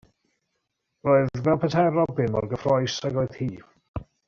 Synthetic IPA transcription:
roɨðvɛlˠpʰətʰɛɾɔbɪnmɔ̰rɡəfrɔjsaɡoɨð̥hiː

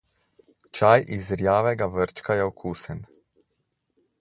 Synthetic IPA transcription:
t͡ʃajʔizɾjaːʋɛɡaʋəɾt͡ʃkajɛoɔkʰuːsən

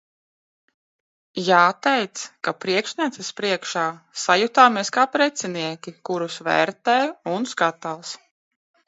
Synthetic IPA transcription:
jaːt̪ɛjt̪skapɾiɛkʃnʲiɛt̪ɛspɾiɛkʃaːsajut̪aːmiɛskaːpɾɛt̪sɛniɛkʲikuɾusʋɛ̰ːɾt̪ɛjunskat̪alˠs

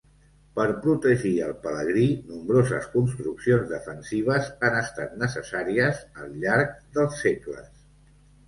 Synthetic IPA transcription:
pəɾpɾut̪əʒiəlˠpələɣɾinumbɾozəskunst̪ɾuksionzðəfənsiβ̞əzanəst̪at̪nəsəsaɾiəzəlˠʎaɾk̚d̪əlˠsːeklə̰s

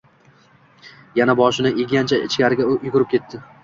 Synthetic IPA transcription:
janabɒʃɪnɪʔeɡʲant͡ʃʰaɪ̰t͡ʃʰkʲaɾɪɡʲajʊɡʲʊɾɪp̚kʲʰe̞t̪ʰːɪ

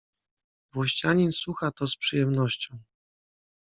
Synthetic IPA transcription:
vwɔɕt͡ɕaɲinsuxat̪ɔspʂɨjɛmnɔɕt͡ɕɔ̃w̃

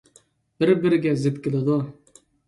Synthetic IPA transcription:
b̥ɪɾbɪɾɪɡʲɛzɪp̪kʲɪlˠɪd̪u

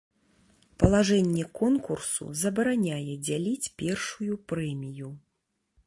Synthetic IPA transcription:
pɐlˠaʐɛnʲːɛkɔnkursṵzɐbɐɾanʲajɛd͡zʲalʲit͡sʲpʲɛrʂujupɾɛmʲiju

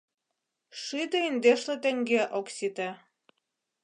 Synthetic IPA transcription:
ʃit̪eind̪eʃlĕt̪ĕŋɡeʔoksʲit̪e

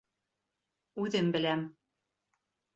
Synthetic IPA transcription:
ud̪ɘ̆mbɘ̆læm

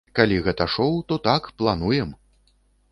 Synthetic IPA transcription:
kalʲiɣɛt̪ɐʂɔwt̪ɔt̪akplˠanujɛm

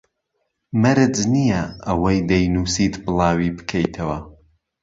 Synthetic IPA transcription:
mɐɾɨd͡ʒnijɐɐwɐjd̪ɐjnuːsiːt̪bɨlˠɑːwiːbɨ̥kʰejt̪ʰɐwɐ

